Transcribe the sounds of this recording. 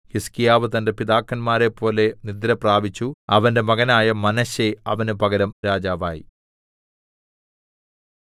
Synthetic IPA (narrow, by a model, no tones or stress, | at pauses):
hiskijaːʋɨt̪ɐnde̞piðaːkːɐnmaːɾe̞pʰːo̞ːle̞nid̪ɾɐpraːbit͡ɕːuɐʋɐnde̞mɐɣɐnaːjɐmɐnɐɕeɐʋɐnupɐɣɐɾɐmɾaːd͡ʑaːʋa̰ːjḭ